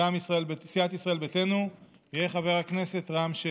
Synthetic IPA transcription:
amisʁae̞lbesiat̪isʁae̞lbete̞nu | ijeχave̞ʁhakne̞se̞t̪ʁamʃe

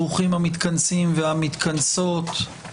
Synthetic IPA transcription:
uχimhamit̪kansimvehamit̪kanso̞t̪

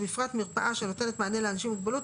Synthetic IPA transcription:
bifʁat̪miʁpaʔaʃe̞no̞t̪e̞net̪maːnjeleanaʃimːuɡbalut

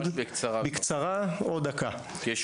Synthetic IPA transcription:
d̪kt͡sbikt͡saʁaod̪aka

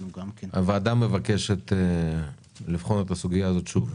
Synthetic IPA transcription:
aveaːd̪amːevake̞ʃet̪e | lifχo̞net̪asuɡijaːzo̞t̪ʃuv

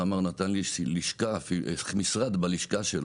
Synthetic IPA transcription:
amaʁnat̪anliliʃkafimisʁad̪baliʃkaʃel

